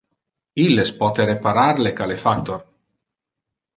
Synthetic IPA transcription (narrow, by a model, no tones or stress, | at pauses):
ilːespɔt̪eɾepaɾaɾlekalefakt̪or